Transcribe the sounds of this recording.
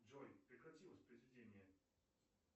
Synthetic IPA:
ʐɔjpɾʲɪkɾɐtʲilˠəsʲpɾəjzvʲɪdʲenʲɪjə

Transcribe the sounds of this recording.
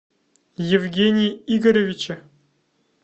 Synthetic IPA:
jevʲɡʲenʲijiɡəɾʲevʲit͡ɕɘ

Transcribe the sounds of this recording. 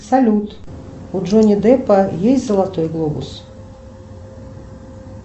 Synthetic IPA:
salʲut̪ | uʐɔnʲid̪ɛpɐjejʲzɐlˠat̪ɔjɡlˠɔbṵs

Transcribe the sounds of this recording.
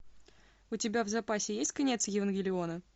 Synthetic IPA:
ʊtʲɪbʲavzɐpasʲɪjesʲtʲkɐnʲe̞t̪sjɪvənɡʲɪlʲɪo̞nə

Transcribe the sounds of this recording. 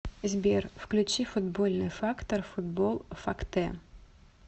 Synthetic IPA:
zʲbʲerfklʲʊt͡ɕifʊd̪bolʲnɨjfakt̪ɐrfʊd̪bolˠfakt̪ɛ

